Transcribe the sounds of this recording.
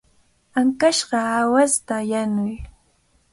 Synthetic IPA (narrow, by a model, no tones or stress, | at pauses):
aŋkaʃɢɑawast̪ajanʊj